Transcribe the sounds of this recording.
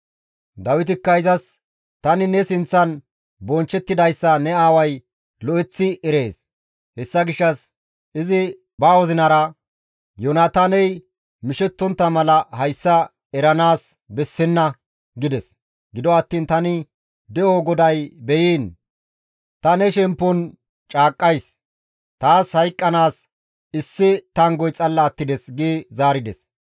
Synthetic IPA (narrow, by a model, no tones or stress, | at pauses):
d̪ɐwɪt̪̬ɪkːɐɪzɐs | t̪ɐnɪnɛsɪnt͡sːɐn | bɔnt͡ʃːɛt̪ːɪd̪ɐjsːɐnɛaːwɐj | lɔʔɛt͡sːɪɛɾe̞ːs | hɛsːɐɡɪʃːɐs | ʔɪzɪ | baːwɔzɪnɐɾɐ | jonaːt̪aːnɛj | mɪʃɛt̪ːɔnt̪ːɐmɐlɐhɐjsːɐ | ɛɾɐnaːs | bɛsːɪnːɐ | ɡɪd̪ɛs | ɡɪd̪ɔɐt̪ːiːnt̪ɐnɪ | d̪ɛoɡɔd̪ɐjbɛjiːn | t̪ɐnɛʃɛmpːʊn | t͡ʃʼaːkʼːɐjs | t̪aːshɐjkʼːɐnaːs | ɪsːɪt̪ɐŋɡɔjt͡sʼɐlːɐːt̪ːɪd̪ɛsɡiːzaːɾɪd̪ɛs